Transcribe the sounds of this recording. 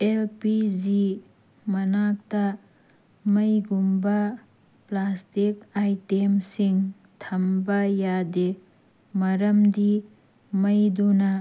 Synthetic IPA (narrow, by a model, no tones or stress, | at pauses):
elpizi | mɐnak̚tɐ | mɐjɡumbɐ | plastikajtemsiŋ | tʰɐmbɐjade | mɐɾɐmdi | mɐjdunɐ